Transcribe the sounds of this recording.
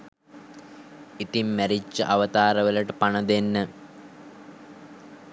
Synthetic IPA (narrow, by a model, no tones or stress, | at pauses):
it̪imːæɾit͡ʃːəʔaʋət̪aːɾəʋələʈəpanəd̪enːə